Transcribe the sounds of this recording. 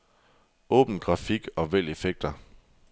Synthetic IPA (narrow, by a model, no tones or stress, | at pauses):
ɔ̰̽ːb̥n̩ɡ̥ʁɑ̈fiɡ̥ɒ̽ʋel̰e̝feɡ̥̚d̥ɐ